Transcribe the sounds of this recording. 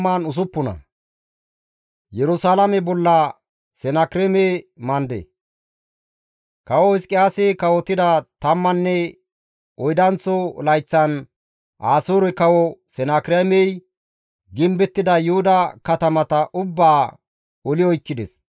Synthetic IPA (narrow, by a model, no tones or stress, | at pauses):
mːaːnʊs̬ʊpːʊnɐ̰ | jɛɾʊsaːlɐmɛbɔlːɐ | sɛnakɾememɐnd̪ḛ | kɐwɔɪskʼɪjaːsekɐwɔt̪ːɪd̪ɐt̪ɐmːɐnːɛ | ɔjd̪ɐnt͡sːɔlɐjt͡sːɐn | ʔaːsoːɾɛkɐwɔsɛnakɪɾemɛj | ɡɪmbɛt̪ːɪd̪ɐjʊhʊd̪ɐkɐt̪ɐmɐt̪ɐʔʊbːaː | ɔlɪjɔjkːɪd̪ɛ̰s